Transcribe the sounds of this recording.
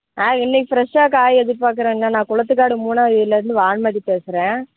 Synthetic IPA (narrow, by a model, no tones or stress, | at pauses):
aːɪnːɛkʲːɪfɪɾɐʂaːkaːjɛðɯʈːpaːɾk̬ɯɾẽːŋɐnːaːnãːkʊɭɐt̪ːɯkːaːɽɯmuːnaːɪɪlːɐɾɯnd̪ɯʋaːɳmaːʈːipeːsɪɾẽː